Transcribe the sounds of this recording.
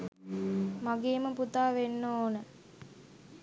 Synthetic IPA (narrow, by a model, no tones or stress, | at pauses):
maɡeːməput̪aːʋenːoːnə